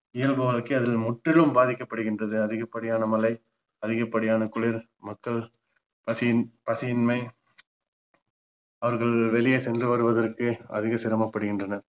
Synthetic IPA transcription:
ɪjɐlbɯʋɐɭkɐɐðɪlmʊʈrɪlɯmbaːðɪkːɐpːɐɽɯɣɪndrɐðɯɐðɪɣɐpːɐɽɪjaːnɐmɐlɐɪ | ɐðɪɣɐpːɐɽɪjaːnɐkʊɭɪɾ | mɐkːɐɭ | pɐspɐsɪɪnmɐɪ | ɐʋɐɾɣɐɭʋɛlɪjeːsɛndrɯʋɐɾɯʋɐðɐrkɯɐ̰ðɪɣɐsɪɾɐmɐpːɐɽɯɣɪndrɐnɐɾ

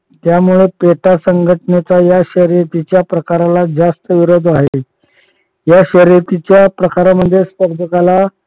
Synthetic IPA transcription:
t̪jamuɭepeʈasəŋɡʱəʈnet͡sajaɕəɾiɾt̪it͡ɕjapɾəkaɾalad͡zast̪əʋiɾod̪ʱaɦe | jaɕəɾiɾt̪it͡ɕjapɾəkaɾaməd̪ʱːjespəɾd͡zʱəkala

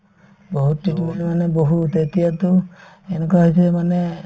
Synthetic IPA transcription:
boɦutːitiminmanɛboɦutetijatʊ | enɛkuaɦisɛmanɛ

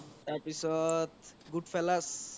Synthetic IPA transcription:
t̪apisɔt̪ɡuɖpʰɛlas

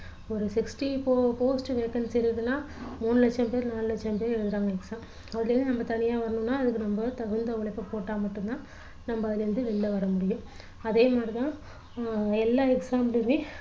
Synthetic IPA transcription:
ɔɾɯsɪksʈipoːpoːsʈʋeːkɐnɖsɪɾɯðɯnːaː | muːnːɯlɛt͡ʃːɐmpeːɾnaːlɯlɛt͡ʃːɐmpeːɾɛɻɯðɯɾaːŋɡɐɛksaːm | ɐðɪlɐɾɯnd̪ɯnɐmbɐt̪ɐnɪjaːʋɐɾɐnʊ̃nːaːɐðɯkːɯnɐmbɐt̪ɐɣɯnd̪ɐʋɐɭɪpːoːpoːʈːaːmɐʈːɯ̃nt̪ãː | nɐmbɐɐðɪlɐɪɾɯnd̪ɯʋɪlːɐʋɐɾɐmʊɽɪjʊ̃ | ɐðeːmaːd̪ɾit̪ãː | ɛlːaːɛksaːmɪʋi

